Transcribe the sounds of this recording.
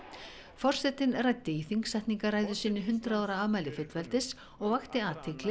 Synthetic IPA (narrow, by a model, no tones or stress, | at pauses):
fɔr̥sɛt̪ːɪnrajt̪ːɪiθiŋksajht̪niŋkaraːjðʏsɪːnːʏɦʏnt̪ɾaɔwɾaaːmajlɪfɪt̪vɛlt̪ɪs | ɔɣvaxt̪ɪaːt̪ʰɪklɪ